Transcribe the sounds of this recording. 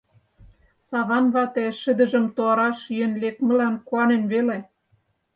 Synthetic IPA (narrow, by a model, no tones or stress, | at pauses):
sɑβɑnβɑt̪eʃə̆d̪ə̆ʒə̆mt̪oɑɾɑʃjønlek̚mə̆lænkuɑnenβele